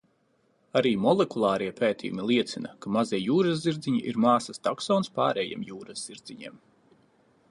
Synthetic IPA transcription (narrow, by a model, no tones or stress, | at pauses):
aɾiːmɔlˠɛkulˠɑːɾiɛpʰeːt̪ḭjṵmilˠiɛt̪sinɐkamaziɛjuːɾazziɾd̪ziɲiʔiɾmaːsɐst̪aksɔːnspa̰ːɾɛjiɛ̰ːmjuːɾazz̥iɾd̪z̥iɲḛːm